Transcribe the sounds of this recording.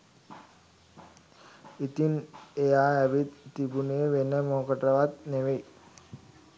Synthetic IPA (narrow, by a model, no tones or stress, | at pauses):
it̪inejaːɐʋid̪t̪ibunejʋenːəmoːkɐʈrɐʋat̪neʋej